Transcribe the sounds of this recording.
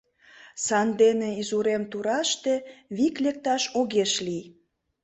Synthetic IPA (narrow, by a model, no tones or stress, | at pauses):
sɑnd̪eneizuɾemt̪uɾɑʃt̪eβiklek̚t̪ɑʃoɣeʃlij